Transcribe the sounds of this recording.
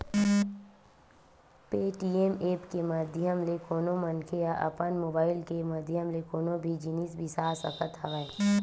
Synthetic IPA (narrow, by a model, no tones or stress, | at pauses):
peːʈiːemeːpkemɐd̪ʱjəmlekoːnõmənkʰejaʔɐ̰pənmoːbaːɪlkemɐd̪ʱjəmlekoːnõbʱid͡ʒinisbʱisaːsə̰kət̪ɦɐʋaːe